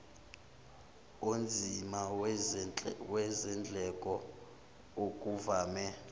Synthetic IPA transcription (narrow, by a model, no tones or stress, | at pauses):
ond͡zʱima | wɛzɛnd͡ɮʱɛkʼɔ | okʼuvaːmɛ